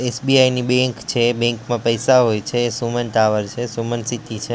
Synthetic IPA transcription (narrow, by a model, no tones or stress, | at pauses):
esbiajnibẽŋkt͡ʃʰebɛ̃ŋkmãpəjsaɦojt͡ʃʰeːsumənʈaʋəɾt͡ʃʰesumənsit̪it͡ʃʰe